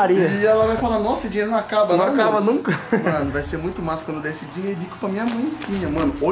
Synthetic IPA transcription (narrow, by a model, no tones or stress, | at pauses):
aɾiɐɪɛlɐvajfalanɔsɐd͡ʒĩɲeɾʊnɐ̃w̃akabɐnɐ̃w̃akabɐnnũkɐmɐ̃nʊvajseɾmũj̃t̪ʊmajskwɐ̃d̪wd̪ɛesɪd͡ʒĩɲeɾikʊ̥pɐmĩɲɐamɐ̃j̃sĩɲɐmɐ̃nʊo